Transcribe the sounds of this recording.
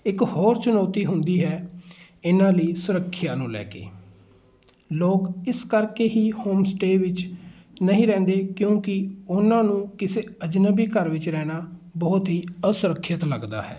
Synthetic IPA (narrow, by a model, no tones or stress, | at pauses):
ɪkhoːɾt͡ʃʊnɔːt̪iːɦʊnd̪iːɦɛː | ɪnãːləiːsʊɾəkʰːɪjaːnũːlɛ̰ːkḛː | loːkɪskəɾkeːɦiːhoːmsʈeːʋɪt͡ʃ | nəɦĩːɾɛ̃ːnd̪eːkjõːkɪʊnãːnũːkɪseːəd͡ʒnəbiːkəɾʋɪt͡ʃɾɛːnaːbɔːt̪ɦiːəsʊɾəkʰːjət̪ləɡd̪a̰ːɦɛ̰ː